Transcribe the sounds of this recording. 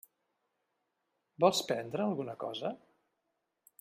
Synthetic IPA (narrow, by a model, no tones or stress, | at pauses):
bɔlˠspɛnd̪ɾəːlˠɣunəkɔ̰zə